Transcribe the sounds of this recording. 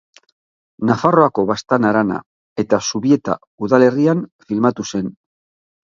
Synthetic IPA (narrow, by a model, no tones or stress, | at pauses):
nafaro̞ako̞βast̪anaɾana̰ | e̞t̪asuβie̞t̪a̰ | uðale̞rianfilmat̪use̞n